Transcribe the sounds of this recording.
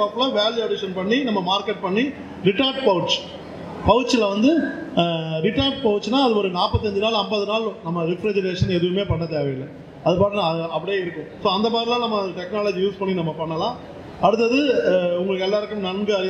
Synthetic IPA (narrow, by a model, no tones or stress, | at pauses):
aːplɐʋaːljuɐɽɪʂɐnpɐɳːinɐmːɐmaːɾkɛʈ̚pɐɳːi | ɾɪʈaːɾɖpɐʋʈt͡ʃ | pɐɣɯʈt͡ʃːɪlɐʋɐnd̪ɯ | ɾɪʈːaːɾɖ̚pɐʋɯt͡ʃːnaːɐðɯɔɾɯnaːpɐt̪ːɐɲd͡ʒɯnaːlɐmbɐðɯnaːlnɐmːɐɾɪfɾɛd͡ʒɐɾeːʂɐnɛðɯʋɯmeːpɐɳːɐt̪̬eːʋɐjɪlɐ | ɐðɯpaːʈːnãɐɐpːɐɽɐjeːɪɾɯkːʊ̃soːɐnd̪ɐpaːdðɾɪlãːnɐmːɐðʈɛknaːlɐd͡ʒijuːspɐɳːinɐmːɐpɐɳːɐlãː | ɐɽɯt̪̬ːɐðɯʊŋɡɐɭɯkːɛlːaːɪɾɯkːɯ̃mnɐnɡɯɐɾɪ